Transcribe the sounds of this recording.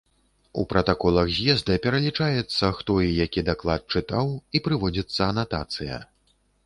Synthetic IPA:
ṵpɾɐt̪akɔlˠɐxzʲjɛzd̪ɐpʲɛɾɐlʲit͡ʂajɛt̪sːɐxt̪ɔijakʲid̪aklˠat̪̚t͡ʂɨt̪awipɾɨvɔd͡zʲit̪sːɐːnat̪a̰t̪sɨjɐ̰

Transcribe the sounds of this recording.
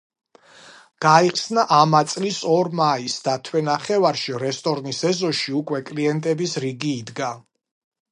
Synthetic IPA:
ɡ̥aiχsnaʔamat̪sʼlisɔɾmaisd̪at̪ʰwɛnaχɛvaɾʃiɾɛst̪ʼɔɾnisɛzɔʃiukʼwɛkʼliɛnt̪ʼɛbisɾiɡiːd̪ɡa

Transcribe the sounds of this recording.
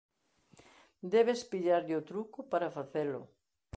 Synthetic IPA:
d̪ɛβ̞espiʎaɾʎot̪ɾukʊpaɾafaθelʊ̰

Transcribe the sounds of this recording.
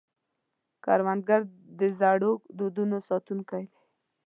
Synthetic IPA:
kɑ̰ɾwand̪̚ɡaɾ | d̪əzɑɽokd̪od̪unosɑt̪unkad̪e

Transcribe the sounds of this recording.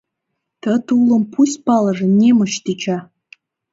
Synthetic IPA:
t̪ət̪ulə̆mpusʲpɑlɤ̆ʒĕnʲemə̆ɕt̪it͡ɕɑ

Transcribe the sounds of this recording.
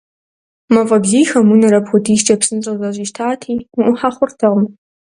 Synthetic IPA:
mɐvʼɐbɮiːxɐmunɐɾɐpxʷʊdiːʃt͡ʃʼɐpsɨnɕʼɐzɐʑʼiːʃtʰaːtʰiːʔʷʊħaχʷʊrtʰɨʁm

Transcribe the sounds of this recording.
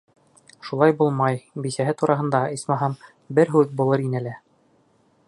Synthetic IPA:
ʃulˠɑjbulˠmɑjbisæɦɘt̪uɾʔɑɦɤ̆nd̪ɑismɑɦɤm | bɘɾɦʉðbulˠɤɾinɘlæ

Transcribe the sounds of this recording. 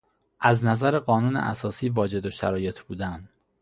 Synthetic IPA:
ʔæznæzæɾe̞ɢɒːnuːnḛʔæ̰sɒːsiːvɒːd͡ʒe̞d̪o̞ʃæ̰ɾɒːje̞t̪ʰb̥uːd̪æn

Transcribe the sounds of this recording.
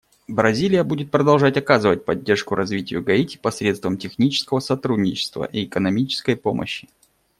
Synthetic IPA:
bɾɐzʲilʲɪjəbudʲɪt̪̚pɾəd̪ɐlˠʐatʲɐkazɨvət̚ʲpɐdʲːe̞rʂkʊɾʔɐzvʲitʲɪjʊɡɐitʲɪ̥pɐsɾʲet̪st̪vəmtʲɪxnʲit͡ɕɪ̥skəvəsɐt̪ɾudʲnʲɪt͡ɕɪ̥st̪və̰ʔiɪkənɐmʲit͡ɕɪ̥skəjpo̞mʔə̰ɕːɪ

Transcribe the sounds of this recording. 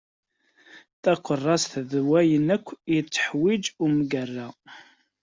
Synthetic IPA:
θæqərˤːɑsθðwæjənækʷːjət͡sːə̥ħwid͡ʒumɡærːæ

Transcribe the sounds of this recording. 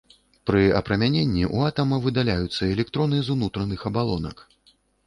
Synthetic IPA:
pɾɨɐ̰pɾɐmʲanʲenʲːiʔṵat̪ɐmɐvɨd̪alʲajut̪sːɐɛlʲɛk̚t̪ɾɔnɨzunut̪ɾɐnɨxɐbalˠɔnɐ̰k

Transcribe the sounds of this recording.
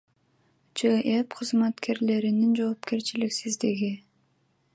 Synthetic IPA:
d͡ʒeʔepqʰɯzmat̪kʰe̞ɾle̞ɾinind͡ʒo̞ːpke̞ɾt͡ʃiliksizd̪iɡi

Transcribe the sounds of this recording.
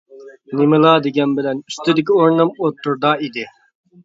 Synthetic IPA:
nɪmɨlˠɑːd̪eɡʲɛnbɪlɛnyst̪ɪd̪ɪkʲioɾnɨmot̪ːuɾd̪ɑːid̪ɪ

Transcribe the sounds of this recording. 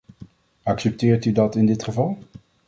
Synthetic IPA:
ɑksɛp̚tɪːɹtydɑtɪndɪtχəvɑlˠ

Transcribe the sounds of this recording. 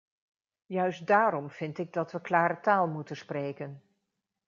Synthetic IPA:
jœɥsdaːɾɔmv̥ɪntɪɡ̚dɑtʋəklaːɾətaːlˠmutənsprejkən

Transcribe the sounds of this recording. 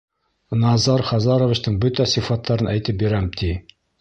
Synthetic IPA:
nɑzɑɾχɑzɑɾovit͡ɕt̪ɤɴbɵt̪æsifɑt̪ːɑɾɤnʔæjt̪ɘp̚biɾæmt̪ʰi

